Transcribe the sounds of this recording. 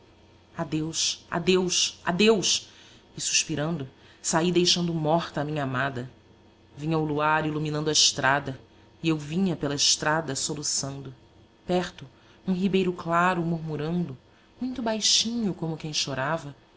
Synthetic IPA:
ad̪ewʃa̰d̪ewʃa̰d̪ewʃ | ɪsu̥ʃpiɾɐ̃nd̪ʊ | said̪ejʃɐ̃nd̪ʊmɔχt̪ɐːmĩɲɐamad̪ɐ | vĩɲɐawluaɾiluminɐ̃nd̪ʊɐɪʃt̪ɾad̪ɐ | iewvĩɲɐpelɐɪʃt̪ɾad̪ɐsolusɐ̃nd̪ʊ | pɛɾt̪ʊ | ũɦibejɾʊklaɾʊmuɾmuɾɐ̃nd̪ʊ | mũj̃t̪ʊbajʃĩɲʊkõmʊkẽj̃ʃoɾavɐ

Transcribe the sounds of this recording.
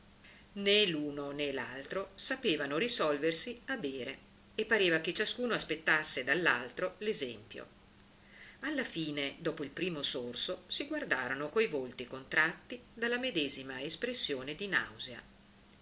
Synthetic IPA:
neluːnonela̰lt̪ɾosapeːvanorisɔlversiabeːɾe | epːaɾeːvaket͡ʃaskuːnoaspet̪ːasːed̪alːa̰lt̪ɾolezɛmpjo̰ | alːafiːned̪ɔːpoilpɾiːmosorsosiɡward̪aːɾonokojvolt̪ikont̪ɾat̪ːid̪alːamed̪ɛːzimaespɾesːjoːned̪ina̰wzea̰

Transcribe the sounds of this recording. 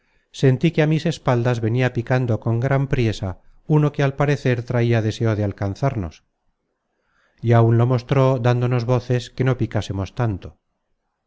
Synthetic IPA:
se̞nt̪ikeamise̞spald̪azβe̞niapikand̪o̞ko̞ŋɡɾampɾje̞sa | uno̞kealpaɾe̞θe̞ɾt̪ɾaiaðese̞oðealkan̟θaɾno̞s | iaunlo̞mo̞st̪ɾo̞d̪and̪o̞no̞zβo̞θe̞ske̞no̞pikasemo̞st̪ant̪o

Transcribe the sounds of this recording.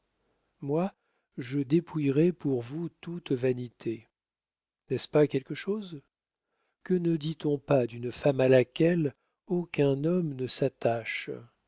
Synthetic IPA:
mwa | ʒəd̪epʰujʁɛpuʁvut̪ut̪vanit̪ʰe | nɛspakʲɛlkəʃoz | kənəd̪it̪ɔ̃pad̪ynfamalakʲɛl | okʲɛ̃nɔmnəsat̪aʃ

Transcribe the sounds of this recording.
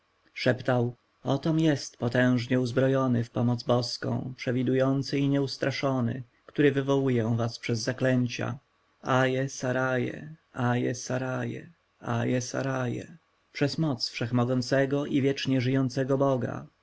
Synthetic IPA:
ʂɛpt̪aw | ɔt̪ɔmjɛst̪pɔt̪ɛ̃w̃ʐɲɛuzbɾɔjɔnɘfpɔmɔd̪zbɔskɔ̰̃w̃pʂɛvʲid̪ujɔnt̪sɘiɲɛust̪ɾʔaʂɔnɘ̰ | kt̪uɾɘvɘvɔwujɛ̃vaspʂɛzːaklɛɲt͡ɕa̰ | ajɛsaɾajɛ̰ajɛsaɾajɛ̰ | ajɛsa̰ɾajɛ̰ | pʂɛzmɔt̪sfʂɛxmɔɡɔnt̪sɛɡɔʔivʲjɛt͡ʂɲɛʐɘjɔnt̪sɛɡɔbɔɡa̰

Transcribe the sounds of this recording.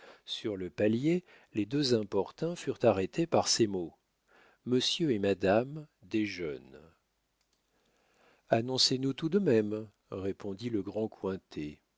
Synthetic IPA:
syʁləpalje | led̪øzɛ̃pɔʁt̪ɛ̃fyʁt̪aʁet̪ʰepaʁsemo | məsjøemad̪am | d̪eʒœn | anɔ̃senut̪ud̪əmɛm | ʁepɔ̃d̪iləɡʁɑ̃kwɛ̃t̪ʰe

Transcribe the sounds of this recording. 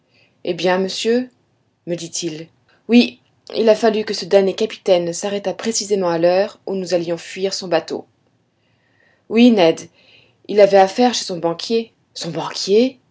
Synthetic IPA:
ebjɛ̃məsjø | məd̪it̪ʰil | wi | ḭlafalykəsəd̪ɛʁnjekapi̥t̪ɛnsaʁɛt̪apχesizemɑ̃alœʁunuzaljɔ̃fɥiʁsɔ̃bat̪o̰ | winɛd̪ | ilavɛafɛʁʃe̥sɔ̃bɑ̃kʲje | sɔ̃bɑ̃kʲje

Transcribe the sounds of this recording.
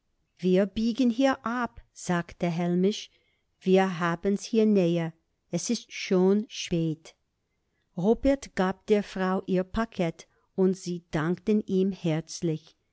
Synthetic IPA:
v̥iːɐbiːɡənɦiːɐʔapz̥aːktəɦɛlmɪʃ | v̥iːɐɦaːbənshiːɐnɛːɐ | ɛsɪstʃoːnʃpeːt | ʁoːbɛɐtɡ̥aːp̚d̥eːɐfʁ̥aʊʔiːɐpʰakʰɛt | ʊntz̥iːd̥aŋktəniːmhɛɐt͡slɪç

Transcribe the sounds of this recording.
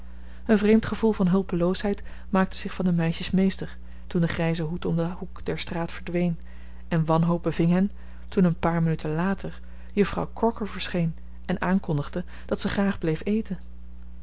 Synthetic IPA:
ənvrejmtχəvulˠvɑnɦɵlˠpəlowsɦɛjt | maːk̚təz̥ɪχfɑndəmɛjʃəsmejstəɹ | tundəχrɛjzəɦutɔmdəhukd̥ɛɹstraːtfəɹdʋejn | ɛnʋɑnɦowb̚bəvɪŋɦɛn | tunənpaːɹmənytʰənlaːtʰəɹ | jɵfrɑ̰wkɔɹkəɹvəɹsχejn | ɛnʔaːŋkɔndəχdə | d̥ɑtsəχraːχblejfejtən

